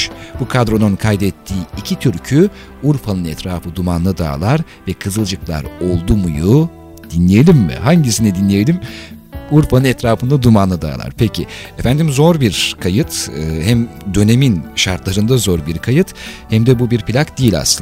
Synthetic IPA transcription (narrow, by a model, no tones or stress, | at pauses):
bukʰad̪ɾo̞nunkʰajd̪ɛt̪ʰːiːicʰit̪ʰyɾcʰy | uɾfanɯnɛt̪ɾaːfɯd̪umanːˠɯd̪a̰ːlˠaɾ | vɛkʰɯzɯlˠd͡ʒɯklˠa̰ɾo̞lˠd̪umuju | d̪̥inlʲijelʲimːɪ̰haɲɟisinɛd̪inlʲeje̞lʲim | uɾfanɯnɛt̪ɾaːfɯnd̪ad̪umanˠad̪a̰ːlˠa̰ɾ̥pʰecʰḭefænd̪imzo̞ɾbiɾkʰajɯt̪ɯːhæmd̪ø̞ne̞minʃaɾt̪lˠaɾɯnd̪azo̞ɾbiɾkʰajɯt̪hæmd̪ɛbubiɾpʰilʲakd̪ijilʲa̰sɯn